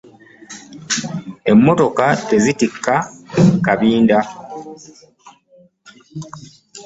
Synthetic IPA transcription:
e̞mːo̞to̞kate̞zitikːakaβiːnda

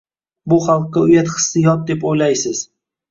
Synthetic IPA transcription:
bʊχɑlˠqːɑʊjat̪χɨ̥sːɪjɒt̪̚d̪e̞pojlajsɪz̥

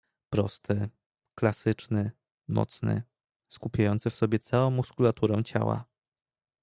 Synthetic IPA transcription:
pɾɔst̪ʰɘ | klasɘt͡ʂnɘ | mɔ̰t̪snɘ̰ | skupʲjajɔnt̪sɛfsɔbʲjɛt̪sawɔ̃w̃ːuskulat̪uɾɛw̃t͡ɕa̰wa̰

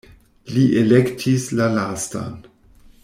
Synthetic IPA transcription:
liʔelektʰislalasta̰n

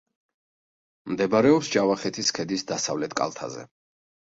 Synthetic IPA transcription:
md̪ɛbɾɛɔpsd͡ʒavaχɛt̪ʰiskʰɛd̪isd̪asavlɛt̪ʰkʼa̰lˠt̪ʰa̰zɛ̰

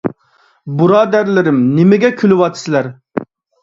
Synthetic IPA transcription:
bɨɾɑːd̪æɾlɪɾɪmnɪmɪɡʲɛkʲʰylɪwɑt̪ʰsɪlæɾ

